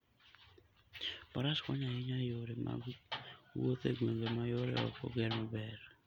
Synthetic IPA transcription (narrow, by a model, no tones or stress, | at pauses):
paɾaskɔɲaiɲajoɾemʔa̰ | wot̪ḛɡweŋɡemajoɾḛɔ̰fo̰ɡɛɾmabɛɾ